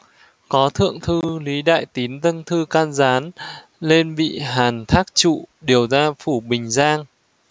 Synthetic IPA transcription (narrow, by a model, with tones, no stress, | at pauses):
kɔ˨˦t̪ʰɨ̰˧˨əŋt̪ʰɨ˧li˨˦ɗa̰ː˧˨jt̪i˨˦nt̪ə˧nt̪ʰɨ˧kaː˧nzaː˨˦n | le˧nɓḭ˧˨ɦaː˨˩nt̪ʰaː˦˥k̚t͡ɕṵ˧˨ɗi˨˩əwzaː˧fu˧˩ɓï˨˩ŋ̟zaː˧ŋ